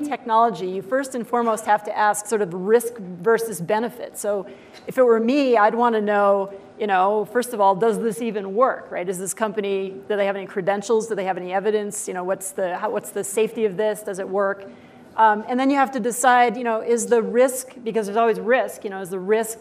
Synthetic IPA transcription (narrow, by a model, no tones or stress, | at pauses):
tʰɛk̚nɑlˠəd͡ʒijɨfɜ˞stɨ̃nfɔɹmoʊst̚hæftɨʔæsksɔɹɾʌvɹɪskvɜ˞sɨzbɛñɨfɪ̰tsoʊ | ɨfɨt̚wə˞miaɪd̚wɑ̃nɨnoʊ | jɨñoʊfɜ˞stʌvɔlˠdʌzðɪsivɨ̃nwɜ˞kɹa̰ɪɾɨzðɪskʰʌ̃mpɨniðɨðeɪɨvɛnikʰɹ̥ɨdɛ̃nʃl̩ˠzdɨd̪ðeɪɨvɛniɛvɨɾɨ̃nsjɨñoʊwʌtsðɨhawʌtsðɨseɪftiʌvðɪsd̥ʌzɨt̚wɜ˞k | ɨ̃nðɨ̃njɨhæftɨdɨsaɪdjɨñoʊʔɪzðɨɹɪskb̥ɨkʌzəzɔlˠwizɹɪskjɨñoʊɨzðɨɹɪsk̚